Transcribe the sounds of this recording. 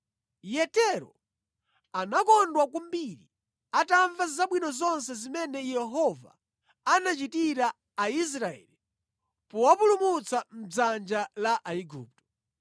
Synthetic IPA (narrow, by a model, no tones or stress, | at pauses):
jɛtɛɾɔ̰ | anakɔndwakumbiɾḭ | ataɱvazaɓwinɔzɔns̬ɛzimɛnɛjɛɦɔva̰ː | nat͡ʃitiɾaː | is̬ɾaɛ̰li | pɔwapulumut͡sam̩d͡zand͡ʒalaʔaiɡṵːp̚tɔ̥